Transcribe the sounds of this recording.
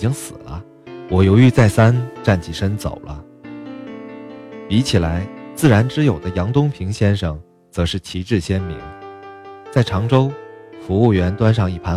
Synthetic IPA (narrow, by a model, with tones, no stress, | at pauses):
t͡ɕi˥ŋsɹ̩˨˩lə˦ | wɔ˨˩jo˧˥ʊy˥˧t͡sa˥˩ɪsa˥nʈ͡ʂa˥˩nt͡ɕʰi˨˩ʂə˥nt͡so̰˨˩ʊlʔə̰˦ | pi˧˥t͡ɕʰi˨˩la˧˥ɪt͡sɹ̩˥˩ɻa˧˥nʈ͡ʂɻ̩˥jo˨˩ʊd̪ə˦jɑ˧˥ŋt̪ʊ˥ŋpʰi˧˥ŋɕjɛ˥nʂɤ˥˩ŋ | t͡sɤ˧˥ʂɻ̩˥˩t͡ɕʰi˧˥ʈ͡ʂɻ̩˥˩ɕjɛ˥nmḭ˧˥ŋ | t͡sa˥˩ɪʈ͡ʂʰɑ˧˥ŋʈ͡ʂo˥ʊfu˧˥u˥˩ɥɛ˧˥nt̪wa˥nʂɑ˥˧ŋi˥˩pʰa˧˥